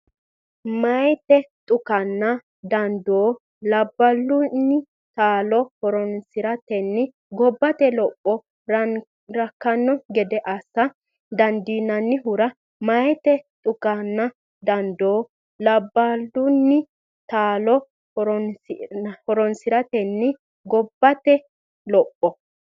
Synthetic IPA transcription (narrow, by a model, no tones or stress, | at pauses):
mɐjt̪ɛt̪ʼʊkɐnːɐ | d̪ɐnd̪oː | lɐbːɐlːʊnːɪ | t̪aːlɔhɔɾɔnsɪɾɐt̪ɛnːɪ | ɡɔbːɐt̪ɛlɔpʼːɔ | ɾɐkːɐnːɔɡɛd̪ɛʔɐsːɐ | d̪ɐnd̪iːnːɐnːɪɦʊɾɐ | mɐjɛt̪ɛt̪ʼʊkɐnːɐ | d̪ɐnd̪oː | lɐbːɐlːʊnːɪ | t̪aːlɔ | ɾ | hɔɾɔnsɪɾɐt̪ɛnːɪ | ɡɔbːɐt̪ɛ | lɔpʼːɔ